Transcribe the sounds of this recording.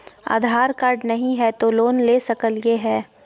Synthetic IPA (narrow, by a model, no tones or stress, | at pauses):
a̰ːd̪ʱaːɾkaːɾɖnɐɦĩɦɛt̪oloːnleːsɐkəljeɦɛː